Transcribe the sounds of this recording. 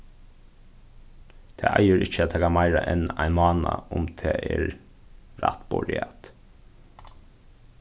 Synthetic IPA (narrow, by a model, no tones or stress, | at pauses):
t̪ʰḛːʔæɪəɾɪçəɑt̪ʰeːɡɑmæɪɾɑʔɛnæɪmɑːnɑʔʊmt̪ʰeːʔeːɾ | ɾɑ̰t̪bɔɹɪɑt̪